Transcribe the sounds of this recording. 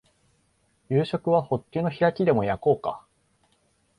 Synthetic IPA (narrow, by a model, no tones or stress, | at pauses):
jɯːɕo̞kɯ̟β̞aho̞kʲːɨːno̞çiɾakʲid̪e̞mojako̞ːka̰